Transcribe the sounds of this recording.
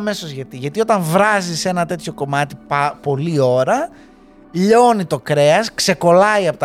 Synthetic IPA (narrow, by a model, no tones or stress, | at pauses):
me̞so̞zʝɐt̪iʝɐt̪io̞t̪ɐɱvɾɐzise̞nɐt̪e̞t̪ço̞ko̞mɐt̪ipo̞lio̞ɾɐ | ʎo̞nit̪o̞kɾe̞ɐskse̞ko̞lɐiɐpot̪